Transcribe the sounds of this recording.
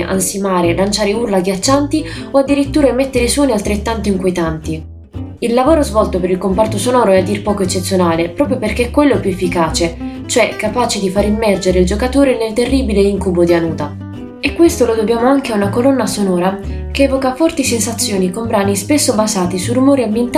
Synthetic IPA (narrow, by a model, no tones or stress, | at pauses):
ʔa̰nsimaːɾelant͡ʃaːɾeurlaɡjat͡ʃːant̪ioad̪ːiɾit̪ːuːɾamɛt̪ːeɾiswɔːnialt̪ɾet̪ːant̪oiŋkwiet̪ant̪i | ilːavoːɾozvɔlt̪opeɾilkompart̪osonɔːɾoɛad̪ːirpɔːkoet͡ʃːet̪sːjonaːlepɾɔːpɾjoperkeɛkːwelːoɛpjuefːikaːt͡ʃet͡ʃoɛkːapaːt͡ʃed̪ifaːɾimːɛrd͡ʒeɾeild͡ʒokat̪oːɾenelt̪erːiːbileiŋkubod̪ianuːt̪a | ekːwest̪olod̪objaːmoaŋk̟eaunakolɔnːasonɔːɾa | keɛːvokafɔrt̪isensat̪sːjɔːnikombɾaːnispesːobazaːt̪isurːumɔːɾiamːent̪